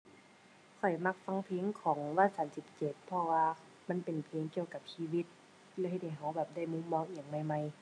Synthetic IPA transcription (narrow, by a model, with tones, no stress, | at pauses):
kʰɔ˨˩jma˧˥k̚fa˧˥˨ŋpʰeː˧˥ŋkʰɔː˩˦ŋwaː˧˥˨saː˨˦msi˧˦p̚t͡ɕe˨˩t̪̚pʰɔ˧waː˧ | ma˧˥˨npe˨˩npʰeː˧˦ŋki˧əwka˧˦p̚siː˧wi˧˥t̪̚ | lɛː˧˩˧ɦe˧t̪̚ha˨˩jɦa˧˦wbɛː˨˩p̚da˥˩jmu˧˥mːɔː˧˥ŋʔi˧˩ə˨ŋma˧˩jma˧˩j